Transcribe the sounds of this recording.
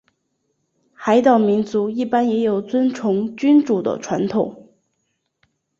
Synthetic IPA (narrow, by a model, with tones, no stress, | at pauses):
xa˧˥ɪt̪ɑ˨˩ʊmi˧˥nt͡su˧˥i˥˩pa˥njɛ˧˥jo˨˩ʊt͡swə˥nt͡sʰʊ˧˥ŋt͡ɕy˥nʈ͡ʂu˨˩d̪ə̰˦ʈ͡ʂʰwa̰˧˥nt̪ʰʊ˨˩˦ŋ